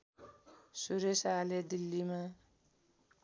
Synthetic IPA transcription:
suɾesaled̪ilːima

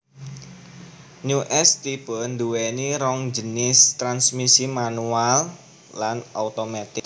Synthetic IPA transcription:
nuʔɛst̪ipənd̪uwɛniɾɔŋd͡ʒənɪst̪ɾansmisimanualː | anaut̪omat̪ɪk̚

